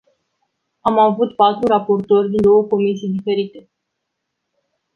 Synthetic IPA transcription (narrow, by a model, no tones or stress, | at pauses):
amavut̪pat̪ɾurapo̞rt̪o̞rʲd̪ind̪o̞wəko̞misijd̪ife̞ɾit̪e̞